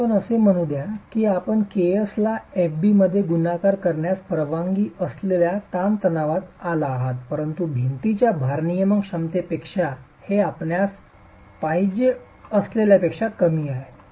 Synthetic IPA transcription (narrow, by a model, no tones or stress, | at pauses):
pənəsem̤əɽ̃ud̪jakiːapəɳkeəslaefbiməd̪ʱːjeɡunakaɾkəɾɳjaspɾəʋaŋɡiːəsleljat̪ant̪ənaʋat̪alaːɦat̪pəɾənt̪ubʱint̪it͡ɕjabʱaɾnijəməkʂamt̪epekʂa | heapɳjas | paɦid͡ʑe | əsleljapekʂat̪kəmiːaɦe